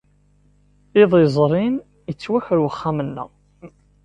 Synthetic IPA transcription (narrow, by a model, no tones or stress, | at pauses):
iðˤizˤɾˤin | jət͡sːwæçɾwəχːamənːə̰ʁ